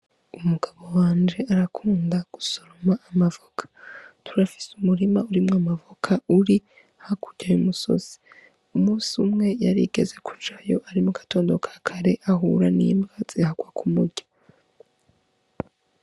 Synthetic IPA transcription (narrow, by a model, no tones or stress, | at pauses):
umuɡ̥aβo̞waːnd͡ʒeaɾakʰuːndaɡ̥usoɾomaʔamavokʰḁtʰuɾafi̥sumuɾimauɾimŋamavokʰauɾi | hakuɟajumuso̰z̥i̥ | umuːsiumŋe̞jaɾḭɡ̥e̞ze̞ku̥d͡ʒajo̞ʔaɾimukḁto̞ːndo̞kʰḁkʰaɾe̞ʔaɦṵɾanḭmɡazihaɡwakʰumuɾɟa